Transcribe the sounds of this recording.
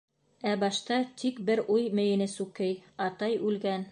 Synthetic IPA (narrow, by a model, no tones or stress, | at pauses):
æbɑʃt̪ɑt̪ʰikbɘɾujmɘ̆jɘ̆nɘsʉkɘjɑt̪ɑjʉlɡæn